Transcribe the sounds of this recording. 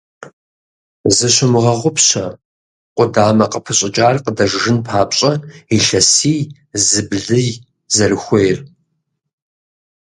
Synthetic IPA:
zɨɕʷʊmɨʁɐʁʷʊpɕɐ̰ | qʷʼʊdaːmɐqʼəpʰɨɕʼɪt͡ʃʼaːrqədɐʒʒɨnpʰaːpɕʼɐiɬɐsiː | zɨbɮɨj | zɐrɨxʷejr

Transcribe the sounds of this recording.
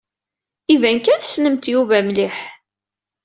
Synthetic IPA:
ivænkænsːnəmt̪juvæmliħ

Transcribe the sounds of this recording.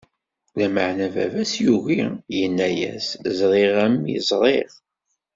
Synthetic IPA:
læməʕnævæ̰væsjuɣijənːæjæ̰szˤɾˤiʁəmjə̰zˤɾˤeʁ

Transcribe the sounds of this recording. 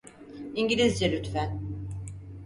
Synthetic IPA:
iɲɟilʲizd͡ʒelʲyt̪fæn

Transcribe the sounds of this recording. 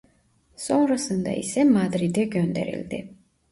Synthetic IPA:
sonɾasɯnd̪ɑ̰ḭsɛmad̪ɾid̪ɛɡʲønd̪ɛ̰ɾḭlʲd̪ɪ̰

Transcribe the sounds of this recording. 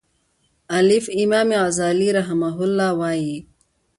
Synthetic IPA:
ɐlifimaːmeaːzaːliɾɐɦɐmaɦulːaːwaːji

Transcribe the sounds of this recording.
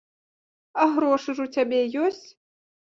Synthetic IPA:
aɣɾoʂɨʐutʲabʲejosʲtʲ

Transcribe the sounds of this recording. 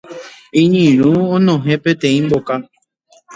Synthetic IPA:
ĩɲĩɾ̃ũõnõɦẽpet̪ẽĩmboka

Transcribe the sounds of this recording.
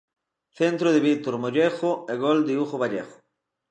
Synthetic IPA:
θent̪ɾoðɪβit̪oɾmoʎexoeɣold̪ɪuxoβaʎḛxo̥

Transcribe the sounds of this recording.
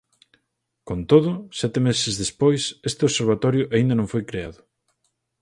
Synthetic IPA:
kont̪oðʊsɛt̪emesɪzðespojsest̪ɪoseɾβ̞at̪ɔɾjʊʔaĩnd̪ɐnõŋfojkɾea̰ðʊ

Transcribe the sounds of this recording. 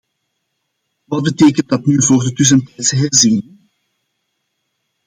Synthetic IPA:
ʋɑd̚bəteːkəndɑtnyvoːrdətʏs̬əntɛjtsəɦɛrzin

